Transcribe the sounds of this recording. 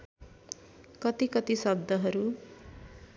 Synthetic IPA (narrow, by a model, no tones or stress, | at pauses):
kʌt̪ikʌt̪isʌb̚d̪ʱʌɦʌɾu